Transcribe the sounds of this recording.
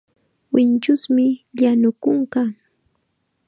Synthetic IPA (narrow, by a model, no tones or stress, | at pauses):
wɪnt͡ʃʊsmɪʎanʊkʊɴkɑ